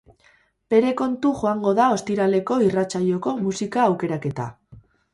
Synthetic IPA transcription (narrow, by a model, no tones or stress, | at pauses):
pe̞ɾe̞ko̞nt̪uʝo̞aŋɡo̞ðao̞st̪iɾale̞ko̞irat͡saʎo̞ko̞musikaːwke̞ɾake̞t̪a̰